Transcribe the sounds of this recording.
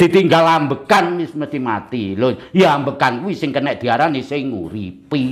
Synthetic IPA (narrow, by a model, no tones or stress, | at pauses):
d̪̥it̪iŋɡalambəkanmɪsməst̪ima̰t̪ilojaambəkankuwisɪŋkənɛʔ̚d̪̥i̤aɾanisɪŋːṵɾḭpi